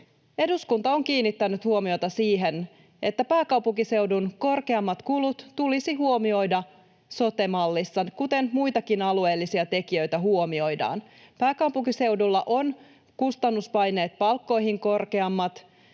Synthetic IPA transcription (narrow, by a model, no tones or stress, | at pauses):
e̞duskunt̪ɑo̞ŋkiːnːit̪ːænyt̪huomio̞jt̪ɑsiːɦe̞n | e̞t̪ːæpæːkɑwpuŋkise̞wdunko̞rke̞ɑmːɑt̪kulut̪t̪ulisiɦuo̞mio̞jdɑ | so̞t̪e̞mɑlːisːɑkut̪e̞nmujt̪ɑkinɑlue̞ːlːisiɑt̪e̞kiø̞jt̪æɦuo̞mio̞jdɑ̰ːn | pæːkɑwpuŋkise̞wdulːɑʔo̞n | kust̪ɑnːuspɑjne̞ːt̪̚pɑlkːo̞jɦiŋko̞rke̞ɑmːɑt̪